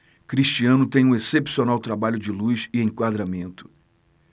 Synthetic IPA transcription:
kɾiʃt͡ʃiɐ̃nʊt̪ẽj̃ũesepsionawt̪ɾabaʎʊd͡ʒɪlujzɪẽkwad̪ɾamẽnt̪ʊ̥

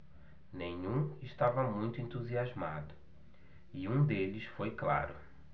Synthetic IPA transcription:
nẽɲũɪʃt̪avɐmũj̃t̪ʊẽnt̪uziazma̰d̪ʊ | iũd̪elɪsfojkla̰ɾʊ

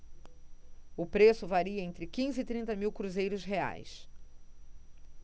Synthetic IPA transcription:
ʊpɾesʊvaɾiɐẽnt̪ɾɪkĩzɪit̪ɾĩnt̪ɐmiwkɾuzejɾʊsɦea̰js

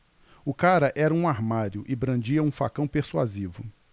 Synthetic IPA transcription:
ʊkaɾɐʔɛɾɐũaɾmaɾjʊʔɪbɾɐ̃nd͡ʒiɐũfa̰kɐ̃w̃peɾsua̰zivʊ

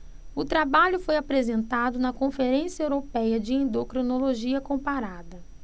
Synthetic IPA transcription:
ʊt̪ɾabaʎʊfojapɾezẽnt̪ad̪ʊnɐkõfeɾẽsiɐewɾopɛjɐd͡ʒɪẽnd̪okɾonoloʒiɐkõpaɾad̪ɐ

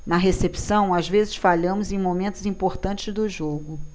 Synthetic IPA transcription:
nɐɦesepsɐ̃w̃azvezɪʃfaʎɐ̃mʊzẽj̃momẽnt̪ʊzĩpoɾt̪ɐ̃nt͡ʃɪzd̪ʊʒoɡʊ

